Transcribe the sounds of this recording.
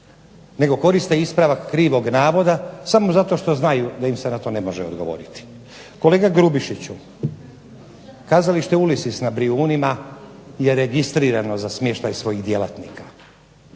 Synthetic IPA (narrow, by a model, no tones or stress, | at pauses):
ne̞ɡo̞ko̞ɾist̪eispɾaʋakːɾiːʋo̞ɡnaːʋo̞d̪asamo̞zat̪o̞ʃt̪oznajud̪ajimsenat̪o̞ne̞mo̞ʒeod̪ɡo̞ʋo̞̰ːɾit̪i̥ | ko̞le̞ːɡaɡɾubiʃit͡ɕu | kaːzaliʃt̪eulisisnabɾiuːnimaje̞ɾe̞ɡist̪ɾiːɾano̞zasmjeʃt̪ajsʋo̞jiɣd̪je̞lat̪niːka